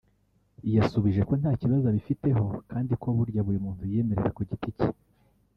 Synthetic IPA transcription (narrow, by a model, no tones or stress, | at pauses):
ijasuβiʒe̞ko̞n̥haːciβazaβifite̞ɦo̞kʰaːndikʰo̞βuɾɟaβuɾimuːntuje̞ːme̞ɾe̞̰ɾakoɟitici